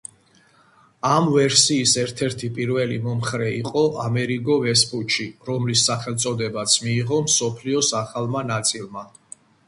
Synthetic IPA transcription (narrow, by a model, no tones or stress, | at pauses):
amvɛɾsiːsɛɾt̪ʰɛɾt̪ʰipʼiɾvɛlimɔmχɾɛiqʼɔʔamɛɾiɡɔvɛspʼuʃʰiɾɔmlisːaχɛlˠt̪sʼɔd̪ɛbat̪sʰmiːʁɔmsɔpʰliɔsaχalˠmanat̪sʼilˠma